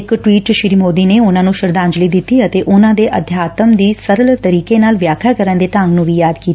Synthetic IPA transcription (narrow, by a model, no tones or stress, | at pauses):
kʈʋiːʈʃɪɾiːmoːd̪iːneːʊnãːnũːʃəɾd̪aːɲd͡ʒliːd̪ɪt̪ːiːət̪eːʔʊnãːd̪eːʔəd̪ʱjaːt̪əmd̪iːsəɾəlt̪əɾiːkeːnaːlʋjaːkʰaːkəɾənd̪eːt̪ãŋɡnũːʋiːjaːd̪kiːt̪a